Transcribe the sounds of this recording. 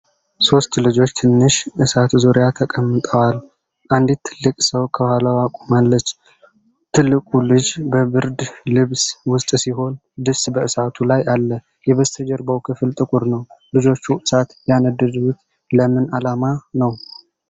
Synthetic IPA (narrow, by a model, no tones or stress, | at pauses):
so̞st̪lɨd͡ʒo̞t͡ʃːt̪ʰɨnːɨʃʔɨsat̪zoɾjat̪ʰəkʼəmːɨt̪ʼəwal | ʔand̪it̪ʰːɨlːɨkʼsəwkʰəbəhaləwakʷʼumalːət͡ʃː | t̪ʰɨlːɨkʼulɨd͡ʒbəβɨɾd̪lɨβswʊst̪ʼsiɦo̞n | d̪ɨsbəɨsat̪ʰulajʔalːə | jɛβəst̪ʰəd͡ʒɛɾbəwkʰɨfɨlt̪ʼɨkʼʊɾnəwlɨd͡ʒo̞t͡ʃːuʔɨsat̪janəd̪ɨd̪wut̪ | ləmɨnalamanəw